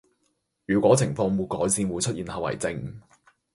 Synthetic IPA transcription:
jyː˨˩kʷwʷɔː˨˥t͡sʰɪ˨˩ŋfɔː˧ŋwuː˨˧kɔː˨˥jsiː˨˧nwuː˨˧jt͡sʰt̚ʔiː˨nhɐ˨wɐ̰˨˩jt͡sɪ˧ŋ

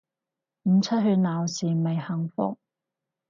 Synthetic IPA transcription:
m̩˨˧t͡sʰɐ˥t̚hɵ˧naː˨wsiː˨me˨jhɐ˨˩ŋfʊ̰˨k̚

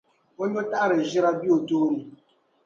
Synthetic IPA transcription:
o˦ɲ˦ɔ˦ta˦ʔɾe˨ʒi˦ɾa˦bi˦o˨toː˦ni˨

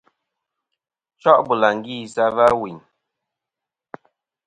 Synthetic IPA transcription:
t͡ʃɔ˦ʔbu˨la˨ŋ˨ɡi˦˨sa˦va˦wi˨ɲ

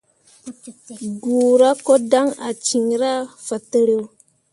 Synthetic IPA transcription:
ɡu˨ɾa˦ko˦da˦ŋa˨t͡ʃi˨ŋɾa˦fa˨tə˨ɾe˨w

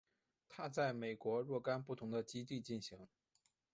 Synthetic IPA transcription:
t̪ʰa˥t͡sa˥˩ɪme˨˩ɪkwɔ˧˥ɻwɔ˥˩ka˥npu˥˩t̪ʰʊ˧˥ŋd̪ə˧t͡ɕi˥t̪̬i˥˧t͡ɕi˥˩nɕi˧˥ŋ

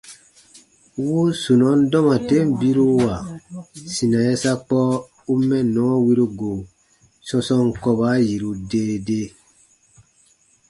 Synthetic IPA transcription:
wu˦su˨nɔ̃˨˦n˦dɔ̃˦mã˨te˦m˦˨bi˦ɾu˦wa˨sĩ˨nã˨jɛ˦sa˦k͡pɔ˦ | u˦mɛ̃˦nɔ̃˨˦wi˦ɾu˦ɡo˨ | sɔ̃˧sɔ̃˧ŋ˦kɔ˧ba˦ji˨ɾu˧deː˦de˦

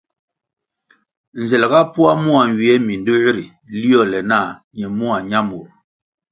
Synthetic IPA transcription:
n˨zɛ˨lɛ˨ɡa˦pu˦a˦mu˦a˨ɲ˨wɥi˨ɛ˦mi˨n˨du˦i˦ɾi˨ | li˦ɔ˦˨lɛ˨na˦˨ɲɛ˨mu˦a˨ɲa˦mu˨ɾ

